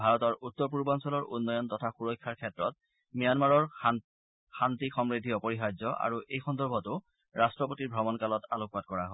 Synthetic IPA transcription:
bʱaɹɔtɔɹutːɔɹp̬uɹbansɔlɔɹʔṵnːɔjɔntɔtʰaxuɹɔjkʰːaɹkʰɛtɹɔt̚ | mijanmaɹɔɹ | xantixɔmɹidʱiɔpɔɹixajzɔʔa̰ɹuʔejxɔndɔɹbʱɔtʊ | ɹʔastɹɔpotiɹbʱɹɔmɔnkalɔtalok̚bat̚kɔɹaɦo

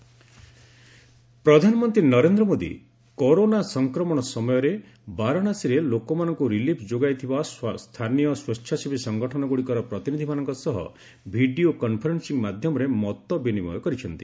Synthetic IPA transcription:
pɾɔd̪ʱanɔmɔnt̪ɾinɔɾend̪ɾɔmod̪ḭ | koɾonasɔŋkɾɔmɔɽ̃ɔsɔmɔjɔɾe | baɾɔɽ̃asiɾelokɔmanɔŋkuɾilipʰd͡ʒoɡajt̪ʰibasst̪ʰanijɔswɔt͡ʃʰjasʰibisɔŋɡɔʈʰɔnɔɡuɽikɔɾɔpɾɔt̪inid̪ʱimanɔŋkɔsɔɦɔ̰ | bʱiɖiokɔnpʰɔɾensiŋmad̪ʱjɔmɔɾemɔt̪ɔbinimɔ̰jɔkɔɾit͡ʃʰɔnt̪i̥

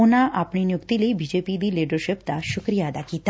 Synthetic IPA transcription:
onaʔapɳinjukt̪ilibid͡ʑepid̪iːliɖəɾɕept̪aɕukɾijad̪akit̪

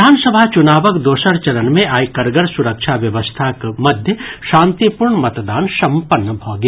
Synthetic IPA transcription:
aːnsəbʱat͡ʃʊnaːʋəkd̪oːʃəɾt͡ʃɐɾənmẽʔaːjkəɾɡəɾsʊɾəkʃʰaʋjɐʋəst̪ʰakmɐd̪ʱjəʃãːnt̪ipʊɾɳəmɐt̪d̪aːnsɐ̃mpənːəbʱɔːɡ

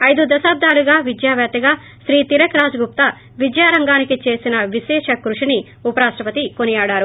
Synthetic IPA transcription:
ɐjd̪ud̪ɐsaːb̚d̪ʱaːluɡaːʋid͡ʒjaːʋjaːt̪ɐɡaː | ʃɾiːt̪iɾɐkɾaːd͡ʒɐɡup̚t̪ɐ | ʋid͡ʒjaːɾɐŋɡaːnikit͡ʃe̞ːsinɐʋiʃɛːʂɐkɾuʂini | upɐɾaːʂʈɾɐpɐt̪ikonijaːɽaːɾu

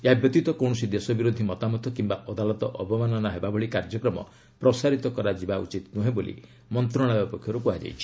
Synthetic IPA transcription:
jabjɔt̪it̪ɔkɔw̃ɔsid̪esɔbiɾod̪ʱimɔt̪amɔt̪ɔkimbaʔɔd̪alɔt̪ɔʔɔbɔmanɔnaɦebabʱɔɭikaɾd͡ʒɔkɾɔmɔ̰ | pɾɔsaɾit̪ɔkɔɾad͡ʒibaṵt͡ʃit̪nuɦebolʔḭ | mɔnt̪ɾɔɽ̃abjɔpɔkʰjɔɾupuɦad͡ʒa̰jt͡ʃʰi̥

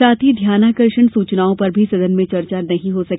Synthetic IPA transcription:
aːt̪ʰid̪ʱjaːnaːkɐɾʃəɳsuːt͡ʃnaːõpɐɾbʱisɐd̪ənmẽt͡ʃɐɾt͡ʃanɐɦĩɦosɐk

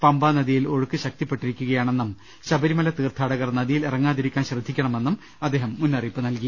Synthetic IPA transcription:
pɐmbaːnɐðijiloɻukːɨɕɐk̚t̪ipːe̞ʈːiɾikʲːuɣɐjaːɳe̞nːum | ɕɐbɐɾimɐlɐt̪iːrt̪ʰaːɽɐɣɐrnɐðijilirɐŋːaːðiɾikʲːaːnɕrɨd̪ʱːikʲːɐɳɐme̞nːum | ɐd̪ːe̞ːɦɐmːunːɐripːɨnɐlki

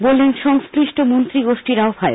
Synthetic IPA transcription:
bolːenʃɔŋskliʃʈʰomont̪ɾiɡoʃʈiɾaofʰae

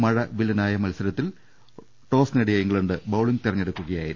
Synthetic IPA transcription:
mɐɻɐʋilɐnaːjɐmɐlsɐɾɐt̪ːil | ʈo̞ːsneɽijɐiŋɡɭɐɳɖɨbɐwɭiŋɡt̪irɐɲːeɽukːuɣɐjaːjiɾu

